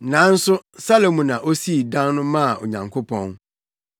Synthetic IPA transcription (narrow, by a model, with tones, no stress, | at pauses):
nã˨˦n̩˦sʊ˦sa˦lo˨mũ˨nã˨ʔo˦si˦˨dã˦nnʊ̃˦mã˦˨o̰˨ɲã˨ŋkʰo˦pʰɔ̃˦n